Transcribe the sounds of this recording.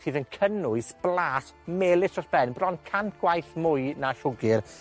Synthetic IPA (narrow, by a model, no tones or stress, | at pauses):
iːðənkʰənʊɨsb̥lˠaːtmeːlˠɪsɔrb̥ɛnbrɔnkʰanɡ̥wajθmʊɨnaɬʊɡɪr